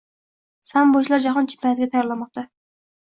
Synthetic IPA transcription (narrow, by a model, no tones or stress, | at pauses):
samboʃlaɾd͡ʒaχɒnt͡ʃʰɪ̥mpʰːajat̪ɪɡʲat̪ʰajɒɾlamɒq̚t̪ʰa